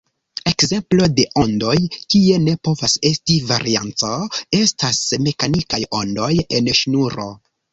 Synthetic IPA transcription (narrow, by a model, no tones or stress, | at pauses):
e̞kze̞mplo̞de̞ʔo̞ndo̞jkie̞ne̞po̞vase̞stivaɾia̰nt͡soe̞stasme̞kanikajo̞ndo̞je̞nʃnuɾo̞̰